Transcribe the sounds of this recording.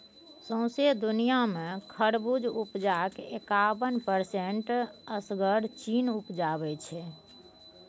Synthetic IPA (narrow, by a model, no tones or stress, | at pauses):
sə̃ʊ̃sed̪unijamekʰəɽbud͡ʒʱupd͡ʒakekabənpəɾseɳʈəsɡəɾt͡ʃinupd͡ʒabɛt͡ʃʰɛ